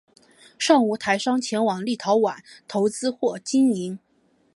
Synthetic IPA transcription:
ʂɑ˥˩ŋu˧˥˩t̪ʰa˧˥ɪʂɑ˥ŋt͡ɕʰjɛ˧˥nwɑ˨˩ŋli˥˩t̪ʰɑ˧˥ʊwa˨˩˦nt̪ʰo˧˥ʊt͡sɹ̩˥xwɔ˥˩t͡ɕi˥ni˧˥n

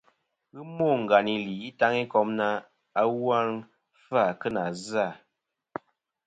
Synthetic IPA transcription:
ɣɨ˦mo˦˨ŋ̩˨ɡa˨ni˨li˨i˦ta˦ŋi˦kɔ˦mna˦ | a˦wa˦ŋ | fa˦˨kə˦na˨za˦˨

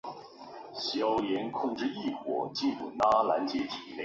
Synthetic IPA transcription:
ɕjɑ˥ʊjɛ˧˥nkʰʊ˥˧ŋʈ͡ʂɻ̩˥˧i˥˩xwɔ̰˨˩t͡ɕi˥˧npṵ˨˩na˥la˧˥nt͡ɕjɛ˧˥t̪ʰi˨˩le˥˩

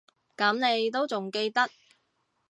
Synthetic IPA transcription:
kɐ˨˥mne˨˧jt̪o˥wt͡sʊ˨ŋke˧jt̪ɐ˥t̚

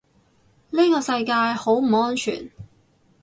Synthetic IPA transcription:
niː˥kɔː˧sɐ˧jkaː˧jho˨˥wm̩˨˩ŋɔː˥nt͡ʃʰy̰ː˨˩n

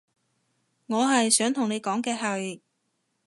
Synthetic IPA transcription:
ŋɔː˨˧ɦɐ˨jsœː˨˥ŋt̪ʰʊ˨˩ŋne˨˧jkɔː˨˥ŋkɛː˧ɦɐ˨j

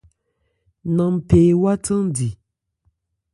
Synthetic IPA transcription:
na˨mpeː˨wa˦tɨ˦ŋdi˨

